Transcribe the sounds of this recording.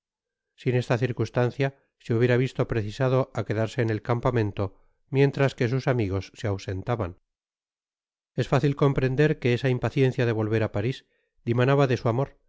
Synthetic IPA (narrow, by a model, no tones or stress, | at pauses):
sine̞st̪aθiɾkust̪anθja | seuβje̞ɾaβist̪o̞pɾeθisaðo̞ʔake̞ðaɾse̞ːne̞lkampamẽ̞nt̪o̞ | mje̞nt̪ɾaske̞s̬usamiɣ̞o̞sːeawse̞nt̪aβan | e̞sfaθilko̞mpɾe̞nd̪e̞ɾke̞esaimpaθje̞n̟θjaðe̞β̞o̞lβe̞ɾapaɾis | d̪imanaβaðe̞suamoɾ